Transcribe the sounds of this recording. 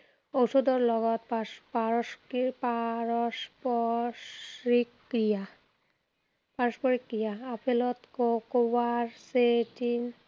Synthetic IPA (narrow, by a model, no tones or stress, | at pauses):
owʃod̪ɔɾlɔɡɔt̪papa | paɾɔʃpɔ | ɾikːɾija | paɾoʃpɔɾikːɾijaapʰelɔt̪kokobaɾseʈin